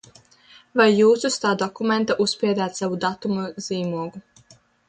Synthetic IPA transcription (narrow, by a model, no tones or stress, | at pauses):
vajːuːsust̪aːd̪ɔkument̪aʔusspiɛd̪aːt̪savud̪at̪umuz̥iːmuɔɡu